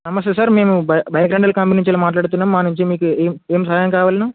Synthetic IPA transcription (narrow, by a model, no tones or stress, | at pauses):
sɐmɐst̪esaːɾme̞ːmubbɐjɐɡɾɐɳɖɐlkɐmpiniɲt͡ʃiloːmaːʈ̬laːɽut̪̬unːaːmːaːnuɲt͡ʃimiːkueːmeːmsɐɦjɐŋkaːʋaːlinuː